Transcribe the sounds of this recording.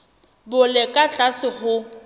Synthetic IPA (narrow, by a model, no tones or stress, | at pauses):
bʊlɛkʼat͡ɬʼasɪχʊ